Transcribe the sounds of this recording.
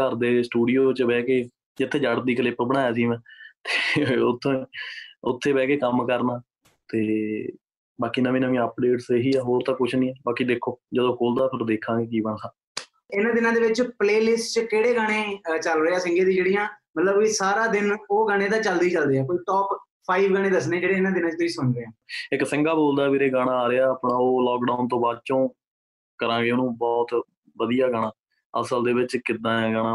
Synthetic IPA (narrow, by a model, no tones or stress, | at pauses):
kəɾd̪eːsʈuːɖijoːt͡ʃəbɛːkeː | d͡ʒɪt̪ʰːeːd͡ʒəɽd̪iːkəlɪpbəɽ̃aːjaːsiːʋɛ̃ːt̪eːʊt̪ʰːõːʊt̪ʰːeːbɛːkeːkəmkəɾnaː | t̪eː | baːkiːnəʋĩnəʋĩəpɖeːʈseɦiːaːɦoːɾt̪ãːkʊt͡ʃʰnĩːɛːbaːkiːd̪eːkʰːoːd͡ʒəd̪õːkoːld̪aːpʰɪɾd̪eːkʰãːɡeːkiːbənsãː | ɪnãːd̪ɪnãːd̪eːʋɪt͡ʃpleːlɪsʈt͡ʃəkeːɽeːɡəɽ̃eːt͡ʃəlɾəːaːsɪŋɡeːd̪ĩːd͡ʒeːɽijãːmət̪ləbiːsaːɾaːd̪ɪnoːɡaɽ̃ẽːd̪ãːt͡ʃəld̪iːt͡ʃəld̪iːɛːkoːiːʈɔːp | pʰːaːiːʋɡəɽ̃ẽːd̪əsneːd͡ʒeːɽeːɪnãːd̪ɪnãːt͡ʃt̪ʊiːsʊnɾeːãːɪksɪŋɡaːboːld̪aːbeːɾeːɡaːɽ̃ãːaːɾeaːəːpɽãːoːlɔːkɖaːʊnt̪õːbaːd̪̚t͡ʃõː | kəɾãːɡeːoːnũːbɔːt̪ | ʋəd̪ijaːɡəɽ̃ãː | ə̰səld̪eːʋɪt͡ʃkɪd̪ãːɡəɽ̃ãː